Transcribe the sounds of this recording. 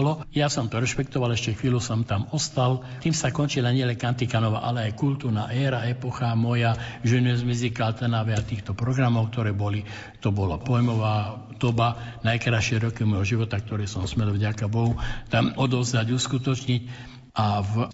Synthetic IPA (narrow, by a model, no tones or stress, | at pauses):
lɔjasɔmt̪ɔɾɛʃpɛkt̪ɔʋalɛʃcɛxʋiːlusɔmt̪amɔst̪al | t̪iːmsakɔnt͡ʃilaɲɪɛlɛŋkant̪ikanɔʋa̰ʔalɛajkult̪uːɾnaʔɛːɾaɛpɔxamɔjaʒɛnɛzmizikalt̪ɛnaʋɛat̪iːxt̪ɔpɾɔɡɾamɔʊk̚t̪ɔɾɛːbɔli | t̪ɔbɔla̰pɔjmɔʋaː | d̪̥ɔbanajkɾaʃɪɛɾɔkiumɔjɦɔʒiʋɔt̪ak̚t̪ɔɾɛːsɔmsmɛlvɟakabɔɦut̪amɔd̪ɔʊzd̪aɟuːskut̪ɔt͡ʃɲic | av